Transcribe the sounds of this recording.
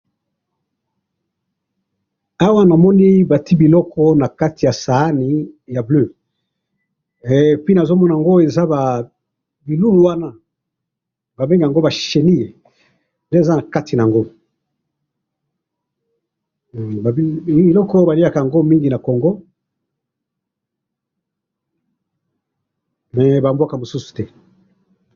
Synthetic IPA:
a˦wa˦na˨mɔ˦ni˦ba˨ti˦bi˨lɔ˦kʰɔ˦na˨ka˦ti˨ja˨sa˨a˦ni˨˦ja˨blø˦˨ | pi˦na˨zo˦mɔ˦na˨ŋɡo˦e˨za˦ba˨ | bi˨lu˦lu˨wa˦na˦ | ba˨be˦ŋɡa˨ŋɡo˦ba˨ʃe˨ni˦je˨ | nde˦˨za˦na˨ka˦ti˨na˨ŋɡo˦˨ | ba˨bi˨lɔ˦kɔ˦ba˨li˦a˨ka˨a˨ŋɡo˦mi˦ŋɡi˨na˨kɔ˨ŋɡɔ˦ | mɛ˨ba˨mbwa˦ka˨mo˨su˦su̥˨tɛ˦

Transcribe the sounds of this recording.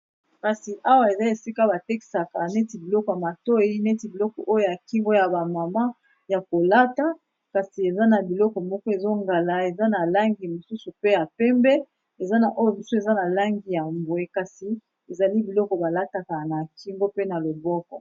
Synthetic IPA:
ka˨si˨ʔa˦wa˦e˨za˦e˨si˦ka˦ba˨te˦ki̥˨sa˨ka˨ne˦ti˨bi˨lɔ˦kɔ˨ja˨ma˨to˦i˦ne˦ti˨bi˨lɔ˦kɔ̰˨ʔo˦jo˦ja˨ki˦ŋɡo˦ja˨ba˨ma˨ma˦ | ja˨ko˨la˦ta˦ | ka˨si˨e˨za˦na˨bi˨lɔ˦kɔ˨mɔ˦kɔ˦e˨zo˦ŋɡa˨la˨e˨za˦na˨la˦ŋɡi˨mo˨su˦su˨pe˦ja˨pɛ˦mbɛ˦ | e˨za˦na˨ʔo˦jo˦˨mi˦su˦e˨za˦na˨la˦ŋɡi˨ja˨mbwe˨ka˨si˨ | e˨za˨li˦bi˨lɔ˦kɔ˨ba˨la˦ta˨ka˨na˨ki˦ŋɡo˦pe˦na˨lo˨bɔ˦kɔ̰˨

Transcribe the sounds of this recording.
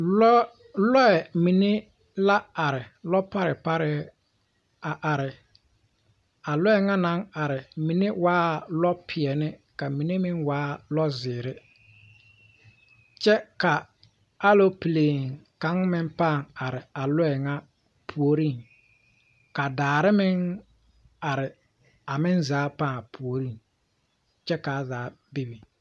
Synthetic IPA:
lɔ˦ɛ˨mi˨ne˦ | la˦a˨ɾɪ˨lɔ˦pa˦ɾɪ˨pa˦ɾɪ˦ | a˨ʔa˨ɾɪ˨ | a˨lɔ˦ɛ˨ŋa˦na˨˦ŋa˨ɾɪ˨mi˨ne˦waː˦lɔ˦pʰɪ˨ɛ˨nɪ˦ka˨mi˨ne˦mɪ˦ŋwaː˦lɔ˦zɪː˨ɾɪ˦ | t͡ʃɛ˦ka˨ | a˦lo˦pi˨leː˨ŋka˨˦ŋmɪ˦mpa˦˨ŋa˨ɾɪ˨a˨lʊ˦ɛ˨ŋa˦ | pʰu˨o˨ɾi˦˨ŋ | ka˨daː˨ɾɪ˦mɪ˦ŋ | a˨ɾɪ˨ | a˨mɪ˦nzaː˨˦pa˦˨pʰu˨o˨ɾi˦˨ŋ | t͡ʃɛ˦ka˨zaː˨˦ | bi˦bi˨

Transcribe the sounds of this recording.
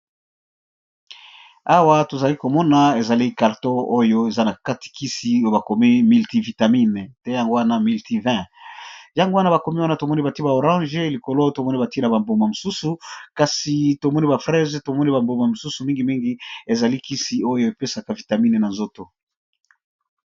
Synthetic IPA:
a˦wa˦to˨za˨li˦ko˨mɔ˦na˨e˨za˨li˦ka˨ʁto˦o˦jo˦e˨za˦na˨ka˦ti̥˨ki˦si˨o˦jo˦ba˨ko˨mi˦mi˨lti˨vi˨ta˨mi˦n˨tɛ˦ja˨ŋɡo˦wa˦na˦mi˨lti˨vɛ̃˦ | jã˨ŋɡo˦wa˦na˦ba˨ko˨mi˦wa˦na˦to˨mɔ˦ni˦ba˨ti˦ba˨o˨ʁɑ̃˦ʒe˦li˨ko˨lo˦to˨mɔ˦ni˦ba˨ti˦na˨ba˨mbo˨ma˨mo˨su˦su˨ka˨si˨to˨mɔ˦ni˦ba˨fʁɛ˦zto˨mɔ˦ni˦ba˨mbo˨ma˨mo˨su˦su˨mĩ˦ŋɡi˨mi˦ŋɡi˦e˨za˨li˦ki˦si˨o˦jo˦e˨pe˦sa˨ka˨vi˨ta˨mi˦ne˨na˨nzo˦to˨

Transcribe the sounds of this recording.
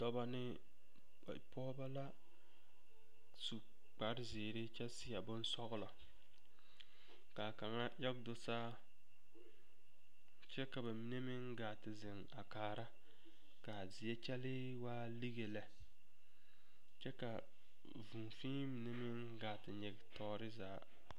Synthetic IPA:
dɔ˦ba˦nɪ˦˨ | pɔ˦ba˦la˦ | su˨ | k͡pa˨ɾzɪː˨ɾɪ˦t͡ʃɛ˦sɪ˦ja˨bʊ˦n˦sɔ˦ɣlɔ˨ | ka˨ka˨ŋa˦jɛ˦ɡdʊ˨saː˦ | t͡ʃɛ˦ka˨ba˨mi˦ne˦mɪ˦ŋɡaː˨tɪ˨zɪ˨ŋ | a˨kaː˨ɾa˦ | ka˨zɪ˨ɛ˦t͡ʃɛ˦lɪ˦ | waː˦li˦ɡe˨la˨ | t͡ʃɛ˦ka˨ | vu˨nfĩː˦mi˨ne˦mɪ˦ŋ | ɡaː˨tɪ˨ɲɪ˨ɡɪ˨tʰɔː˦ɾɪ˦zaː˨˦

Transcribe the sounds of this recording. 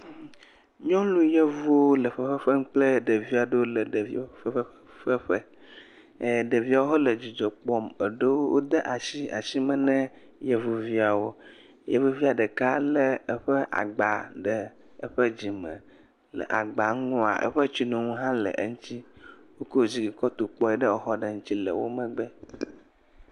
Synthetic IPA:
ɲɔ̃˦lu˦je˦vu˦o˦lə˨ɸə˦ɸə˦ɸə˦ŋ̩˦k͡plə˦ɖə˨vi˦a˨ɖə˦wo˦lə˨ɖə˨vi˦ə˦ɸɸə˦ɸə˦˨ | ɖə˨vi˦a˨wo˦ɦɔ˦lə˨d͡ʑi˨d͡ʒɔ˨k͡pɔ˨mə˨ɖə˦wo˦wʔo̰˦d̪ə˦ʔa˨si˦a̰˨si˦mə̃˨nɛ̃˦ | je˦vu˨vi˦a˨wo˦ | je˨vu˦vi˦a˨ɖə˨ka˦lə˦ə˦ɸə˦ʔa̰˨ɡ͡ba˨ɖə˨ | ə˦ɸə˦d͡ʑi˨mə̰̃˨ | lə̰˨ʔa̰˨ɡ͡ba˨ŋũ˦a̰˨ʔə̰˦ɸə˦t͡ʃi˦nũ˨ŋũ˦ɦã˦lə̰˨ʔə̰˦ŋũ˦t͡ɕ̪i˦wo˦ko˦wo˨zi˨ɡi˨kɔ˦t̪o˨k͡pɔ˦ɛ˦ɖə˦o˨xɔ˦ɖə˨ŋũ˦t͡ɕ̪i˦lə̰˨wo̰˦mə̃˦ɡ͡bə˦

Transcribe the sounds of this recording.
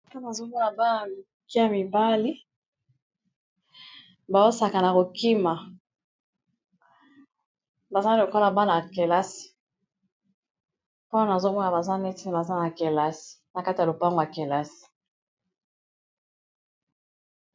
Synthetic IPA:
pa˦na˨zo˦mɔ˦na˨ba˦na˨ | ki˦a˨mi˨ba˦li˦ | ba˨o˦sa˨ka˨na˨ko˨ki˦ma˨ | ba˨za˦o˨ko˦la˨ba˦na˨ke˨la˦si̥˨ | po˦na˨zo˦mɔ˦na˨ba˨za˦nɛ˦ti˦ne˨ba˨za˦na˨ke˨la˦si̥˨na˨ka˦ti˨a˨lo˨pa˦ŋɡo˨ja˨ke˨la˦si̥˨

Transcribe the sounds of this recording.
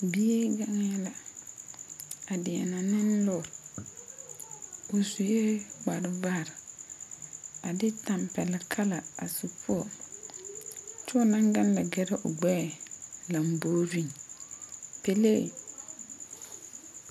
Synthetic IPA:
bi˦e˦ɡa˦ŋ˦jɛ˦la˨ | a˨dɪ˨a̰˨na˨nɪ˦n˦lɔ˦˨ɾ | ʊ˨su˨je˦ɡ͡ba˨ɾɪ˨va˦˨ɾ | a˨dɪ˦ta˨mpɛ˨lɛ˨kʰa˦la˨a˨su˨pʰʊ˦ɔ˨ | t͡ʃʊ˦ɔ˦nã˦ŋɡa˦n˦la˨ɡɛ˦ɾɛ˦ʔʊ˨ɡ͡bɛː˦˨la˨m˨boː˦vi˦n | pe˨lḛ˦˨

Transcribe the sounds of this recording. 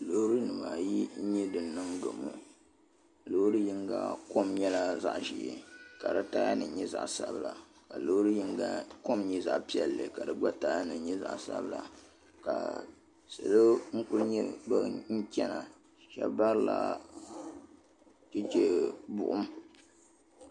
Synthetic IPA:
lo˦hɾɨ˦nɨ˨ma˨ji˦ɲɛ˦dɨ˨nːɨ˦ŋɡo̰˨mɨ̰˨ | lo˦hɾɨ˦ji˦ŋɡa̰˦ko˦mɲɛ˦la˦za˦ʔʒḭ˨ka˨dɨ˦ta˦a˦nɨ˨ɲɛ˦za̰˨ʔsa˦bɨ˨la˨ | ka˨lo˦hɾɨ˦ji˦ŋɡa˦ko˦mɲi˦za˨ʔpi˦ɛ˨lːɨ̰˨ka˨dɨ˨ɡ͡ba˦ta˦ja˦nɨ˨˦ɲɛ˦za̰˨ʔsa̰˦bla˨ | ka˨ | sɨ̰˨lɨ˦ŋ̩˦kʊ˦lɲɛ˦ba˦ŋ̩˦kʲɛ˦na˨ | ʃɛ̰˦bba˦ɾla̰˦ | t͡ʃɛ˦t͡ʃe˦bʊ̰˨ʔʊ˦m

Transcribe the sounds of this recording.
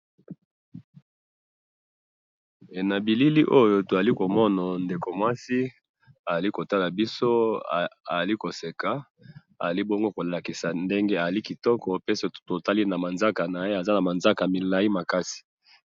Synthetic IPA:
e˨na˨bi˨li˦li˦ʔo˦jo˦to˨a˨li˦ko˨mɔ˦na˨nde˨ko˨mwa˦si˦ | a˨za˨li˦ko˨ta˦la˨bi˦so˦˨a˨a˨li˦ko˨se˨ka˨ | a˨a˨li˦bo˦ŋɡo˦ko˨la˨ki˨sa˨nde˦ŋɡe˦a˨a˨li˦ki˨tɔ˦kɔ˨pe˦se˨tto˨ta˦li˦na˨ma˨nza˦ka˨na˨je˦a˨za˦na˨ma˨nza˦ka˨mi˨la˨i˦ma˨ka˦si̥˨

